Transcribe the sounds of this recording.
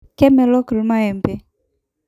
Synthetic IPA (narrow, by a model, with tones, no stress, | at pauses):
kɛ˦mɛ˨lɔ˦kə˨lma˦ɛ˨mbɛ˦